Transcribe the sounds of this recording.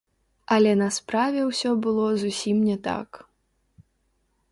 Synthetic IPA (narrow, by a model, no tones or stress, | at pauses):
ɐlʲɛnɐspɾavʲɛwsʲɔbɨlˠɔzusʲimnʲɛt̪a̰k